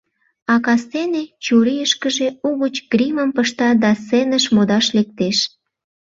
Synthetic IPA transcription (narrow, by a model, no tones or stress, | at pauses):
ɑkɑsenet͡ɕuɾijəʃkəʒeuɣət͡ɕɡɾiməmpəʃt̪ɑd̪ɑsenəʃmod̪ɑʃlek̚t̪eʃ